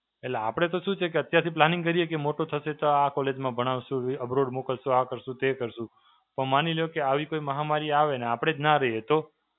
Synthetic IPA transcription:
eleapəɽ̃et̪oʃũt͡ʃʰekeət̪jasĩplanĩŋɡkəɾijekemoʈot̪ʰəʃet̪oakɔled͡ʒmãbʱəɽ̃aʋʃũiəbɾoɽmokəlʃũakəɾʃũt̪ekəɾʃũ | pəɳmaniljokeaʋikoiməɦamaɾiaʋeneapɽ̃ed͡ʒnaɾəɦiet̪o

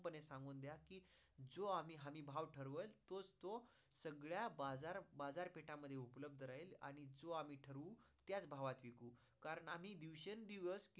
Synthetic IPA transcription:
pənesãŋɡuːnd̪jakiːd͡zoamiːɦamiːbʱaʋʈʰəɾʋəlt̪ot͡st̪o | səɡɭjabad͡zaɾbad͡zaɾpeʈaməd̪ʱːjeupləb̚d̪ʱəɾaila̰ɽ̃id͡zoam̤iːʈʰəɾut̪jat͡sbʱaʋat̪ʋikuː | kaɾəɳam̤iːd̪iʋɕənd̪iʋəsk

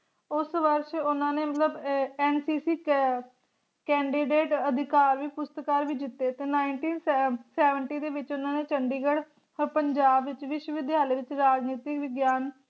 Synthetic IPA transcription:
ʊsʋəɾʃʊnãːneːmət̪ləbɛːnsiːsiː | kɛːɳɖiːɖeːʈəd̪ʱɪkaːɾʋiːpʊst̪kaːɾʋiːd͡ʒɪt̪ːeːt̪eːnaːɪɳʈiːnsɛːʋəɳʈiːd̪eːʋɪt͡ʃʊnãːneːt͡ʃəɳɖiːɡəɽ | pəɲd͡ʒaːbʋɪt͡ʃʋɪʃwəʋɪd̪ʱjaːleːʋɪt͡ʃɾaːd͡ʒniːt̪ɪkʋɪɡjaːn

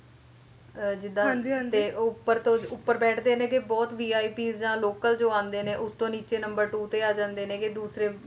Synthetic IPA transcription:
d͡ʒɪd̪ãɦnd̪ĩeːʊpːəɾt̪õːʊpːəɾbɛːʈʰd̪eːnẽːkɪbɔːt̪ʋiːaːiːpiːzd͡ʒãːloːkəld͡ʒoːãːnd̪eːnẽːʔʊst̪õːniːt͡ʃeːnəmbəɾʈuːt̪eːaːd͡ʒãːnd̪eːnẽːkɪd̪uːsɾeː

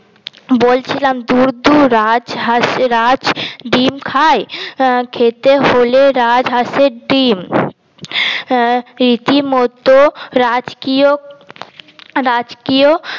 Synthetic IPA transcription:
boːlt͡ʃʰilamd̪uɾd̪uɾad͡ʒɾad͡ʒɖimkʰaːjkʰet̪eɦoleɾaːd͡ʒɦaseɖiːm | ɾit̪imot̪oɾad͡ʒkio | ɾad͡ʒkijo

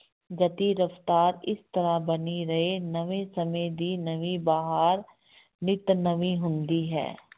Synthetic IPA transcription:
ɡɐt̪iɾɐft̪aːɾɪst̪ɐɾabɐniɾɐɦenɐʋesɐmẽd̪iːnɐʋibaːɦaːɾ | nɪt̪nəʋiɦʊ̃nd̪iɦɛ̰ː

